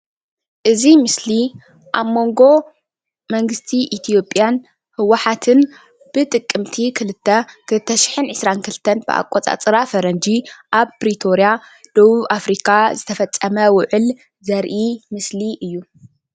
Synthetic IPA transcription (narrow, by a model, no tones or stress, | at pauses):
ʔɨzimɨsli | ʔamːo̞ŋɡo̞ | mɐŋɡɨst̪ʰiʔit̪ʰijo̞pʼːjan | hɨwːaħat̪ʰɨn | b̥ɨt̪ʼɨkʼːɨmt̪ʰikʰɨlɨt̪ʰːɐkʰɨlɨt̪ʰːɐʃɪ̥ħɨnʕɨsɾankʰɨlɨt̪ʰɐnb̥ɨ̰ʔa̰kʷʼːot͡sʼa̰t͡sʼɨɾafɐɾɐnd͡ʒiʔaβpɾit̪ʰo̞ɾjad̪̥oβuβafɾikʰazɨt̪ʰɐfɐt͡sʼːɐmɐwʊʕɨl | zɐɾʔimɨsliʔɨjːu